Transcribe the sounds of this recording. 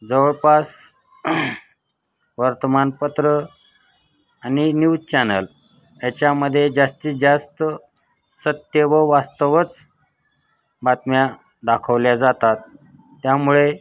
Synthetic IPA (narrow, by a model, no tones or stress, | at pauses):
d͡zəʋəɭpas | ʋəɾt̪əmanpət̪ɾə | aninjud͡zt͡ɕɛnəl | jat͡ɕjaməd̪ʱːjed͡zast̪iːd͡zast̪ə | sət̪jəʋəʋast̪əʋət͡s | bat̪mja | d̪akʰəʋljad͡zat̪at̪ː | jamuɭe